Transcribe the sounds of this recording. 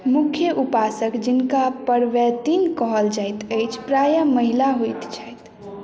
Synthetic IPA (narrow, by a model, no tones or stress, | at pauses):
mukʰjəʔupasəkd͡ʒinkapəɽʋɛt̪inkəɦəld͡ʒajt̪əjt͡ʃʰpɾajəməɦilaɦojt̪t͡ʃʰəjt̪